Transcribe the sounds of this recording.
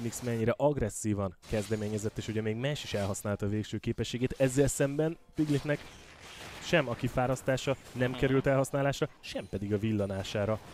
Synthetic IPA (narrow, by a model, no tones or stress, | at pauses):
niksmɛɲːiɾɛʔɒɡrɛsːiːvɒnkɛzd̪ɛmeːɲɛzɛt̪ːeːʃhoɟɛmeːɡmaːʃiʃɛlɦɒsnaːlt̪ɒveːkʃøːkeːpɛʃːeːɡeːt̪ɛzːɛlsɛmbɛn | piɡlik̪nɛk | ʃɛmɒkifaːɾɒst̪aːʃɒnɛmkɛɾylt̪ɛlɦɒsnaːlaːʃrɒʃɛmpɛd̪iɡɒvilːɒnaːʃaːɾɒ